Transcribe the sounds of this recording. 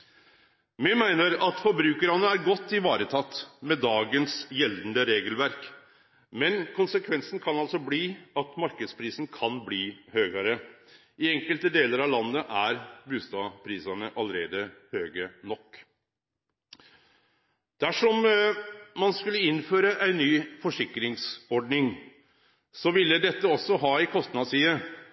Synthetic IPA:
mɪmæɪnəɾɑt̪fɔɾbɾʉːkəɾɑnəæɾɡɔt̪ːɪʋɑːɾət̪ʰɑt̪ːmɛd̪ɑːɡənsjɛlnd̪əɾeːɡəlʋæɾk | mɛnkʰʊnsəkʰʋɛnsn̩kʰɑnɑlsɔbliːɑt̪mɑɾkəd̪spʰɾiːsn̩kʰɑnbliːhøːɡɑɾə | ɪɛŋkəlt̪əd̪eːləɾɑʋlɑnːəʔæɾbʉːst̪ɑpʰɾiːsɑnəʔɑləɾeːd̪əhøːɡənɔkː | d̪̥æʂɔm | mɑnskʉlːəɪnføːɾəʔæɪnːyːfɔʂɪkɾɪŋsɔɖnɪŋ | sɔʋɪlːəd̪ɛt̪ːəɔsːɔɦɑːɪkʰɔst̪nɑsiːə

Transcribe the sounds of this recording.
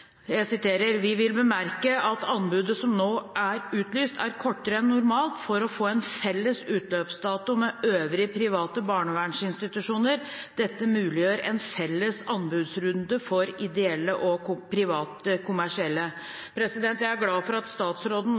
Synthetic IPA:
jæɪsɪt̪ʰeːɾəɾʋɪʋɪlbəmæɾkəɑt̪ʰɑnbʉːd̪əsɔmnoːʔæɾʉːt̪lyːst̪ʰæ̰ɾkʰɔʈːəɾəɛnːʊɾmɑːlt̪fɔɾɔfoːɛnfɛlːəsʉːt̪løːpsd̪ɑːt̪ʊmɛøːʋɾɪpʰɾɪʋɑːt̪əbɑːɳəʋæɳʂɪnst̪ɪt̪ʉʂuːnəɾ | d̪̥ɛt̪ːəmʉːlɪjøːɾɛnfɛlːəsɑnbʉːd̪sɾʉnd̪əfɔɾɪd̪ɛɛlːəʔɔpʰɾɪʋɑːt̪əkʰʊmæʂɪɛlːə | pʰɾɛsɪd̪ɛnt̪jæɪæɾɡlɑːfɔɾɑt̪st̪ɑːt̪sɾoːd̪n̩

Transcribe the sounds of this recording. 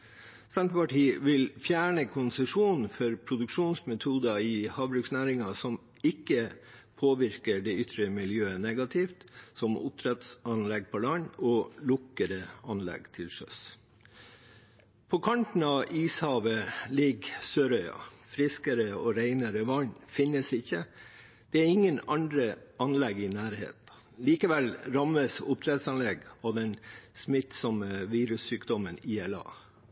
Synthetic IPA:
sɛnt̪əpɑʈʰiːʋɪlfjæːɳəkʰʊnsəʂuːnn̩fɔɾpʰɾʊd̪ʉkʂuːnsmɛt̪ʰuːd̪ɑɪhɑːʋbɾʉːksnæːɾɪŋɑsɔm | ɪkːəpʰoːʋɪɾkəɖɛʏt̪ɾəmɪljøːənɛɡɑt̪ʰɪft̪sɔmʔʊ̰p̚t̪ʰɾɛt̪sɑnlɛɡ̚pʰɔlɑɲɔlʊkəɾəɑnlɛ̰ɡt̪ʰɪlsœ̰s | pʰɔkʰɑɳʈ̪n̩ɑʋiːshɑːʋəlɪɡsøːɾœʏɑ̰fɾɪskəɾəɔɾæɪnəɾəʋɑɲːfɪnːəsɪçːə | d̪̥ɛæɾɪŋːənɑnd̪ɾəɑnlɛɡɪnæːɾhḛːt̪ | liːkəʋɛlɾɑməsʊ̰p̚t̪ʰɾɛt̪sɑnlɛɡɔd̪ɛnsmɪt̪sɔməʋiːɾʉsːyːkd̪ɔməniːɛlɑ̰ː

